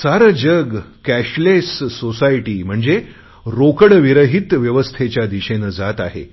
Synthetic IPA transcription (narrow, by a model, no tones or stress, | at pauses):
saɾəd͡ʑəɡkæɕlesːosajʈiːm̤əɳd͡ze | ɾokəɽʋiɾəɦit̪ʋjəʋəst̪ʰet͡ɕjad̪iɕenəd͡zat̪aɦḛ